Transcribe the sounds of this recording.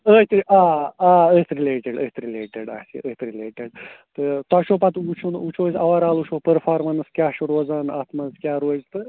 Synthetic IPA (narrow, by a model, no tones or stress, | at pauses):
əːt̪ɾiaːaːəːt̪ɾileːʈeɖət̪ʰɾileːʈeɖa̰sḭʔət̪ɾileːʈeɖt̪ɨt̪aʃoːpat̪ut͡ʃʰunut͡ʃʰoːsʲɐʋaɾaːlut͡ʃʰoːpəɾfʰaːɾmɐnskʲjaːʃuɾoːzaːna̰ːt̪mɐnskʲjaːɾoːzt̪ɨ